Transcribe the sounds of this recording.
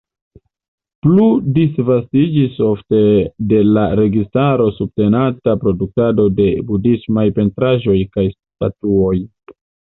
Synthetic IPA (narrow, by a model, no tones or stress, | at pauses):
pludisvastid͡ʒiso̞fte̞de̞laɾe̞ɡistaɾo̞sub̚te̞natapɾo̞duk̚tado̞de̞budismajpe̞ntɾaʒo̞jkajs | tatuo̞j